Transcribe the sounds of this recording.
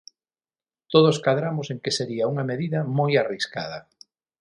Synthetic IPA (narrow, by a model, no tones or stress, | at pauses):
t̪oð̞oskaðɾamoseŋkeseɾiɐuŋɐmeðiðɐmojariska̰ð̞ɐ̰